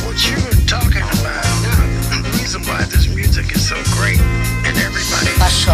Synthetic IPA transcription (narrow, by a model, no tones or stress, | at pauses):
wʌt͡ʃɨtʰɔkɪ̃ŋəbaʊt̚ | ɹizə̃nwaɪðɪsmjʉzɨkɨz̥soʊɡɹeɪt̚ | ɨ̃nɛvɹibɑ̰ɾi